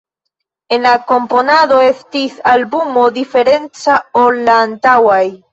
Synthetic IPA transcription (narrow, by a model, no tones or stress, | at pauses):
enakomponaðoest̪iθalβumoðifeɾent͡saolant̪awaj